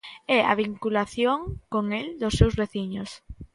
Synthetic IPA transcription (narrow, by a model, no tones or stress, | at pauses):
ɛa̰βiŋkulaθjoŋkoŋeld̪ʊsːewzβeθiɲos